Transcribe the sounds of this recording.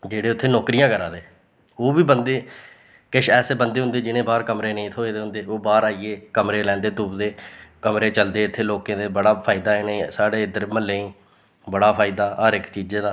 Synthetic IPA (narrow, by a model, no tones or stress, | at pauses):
d͡ʒeːɽeːʊt̪ʰːeːnɔːkɾɪjãːkəɾaːd̪eː | oːbiːbənd̪eː | kɪʃɛːseːbənd̪eːʊ̃nd̪eːd͡ʒɪñẽːbaːɾkəmɾeːnəĩːt̪ʰoːeːd̪eːʊ̃nd̪eːoːbaːɾaːiːeːkəmɾeːlɛ̃ːnd̪eːt̪uːbd̪eːkəmɾeːt͡ʃəld̪eːɪt̪ʰːeːloːkẽːd̪eːbəɽaːpʰaːɪd̪aːɪneĩːsaːɽeːɪd̪əɾməlːeːĩː | bəɽaːpʰaːɪd̪aːəɾɪkt͡ʃiːd͡ʒeːd̪aː